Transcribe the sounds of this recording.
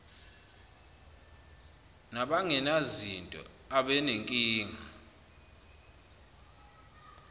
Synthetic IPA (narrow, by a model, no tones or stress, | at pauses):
naɓaŋɛnazintʼɔ̰ | aɓɛneŋkʼiːŋʱa